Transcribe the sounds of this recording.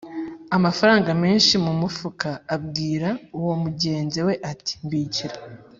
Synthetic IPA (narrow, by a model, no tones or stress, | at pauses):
amafaɾaːŋɡameːnʃimumufukaːbɡiːɾauwo̞muɟe̞ːnzewe̞ʔati̥mbiːciɾa